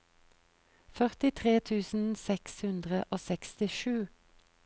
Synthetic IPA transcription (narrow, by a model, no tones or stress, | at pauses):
fœʁt̪ɪt̪ʰʁeːt̪ʰʉːsn̩sɛkshʉnd̪ʁəʔoːsɛkst̪ɪʃʉː